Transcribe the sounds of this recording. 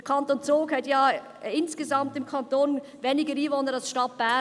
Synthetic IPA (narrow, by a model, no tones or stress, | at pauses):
əkʰɑntoːnt͡soːkhɛtjɑː | ɪnsɡ̥ezɑmtɪmkʰɑntoːn | veːnɪɡəɾiːvoːnəɾalsʃtɑt̚b̥æ